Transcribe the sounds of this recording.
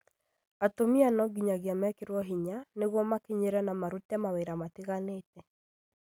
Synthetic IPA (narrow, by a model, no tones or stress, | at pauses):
atomianɔɡiɲaɣeamɛkeɾwɔɦiɲaneɣwɔmakeɲeɾɛnamaɾutɛmaweɾamateɣaneːtɛ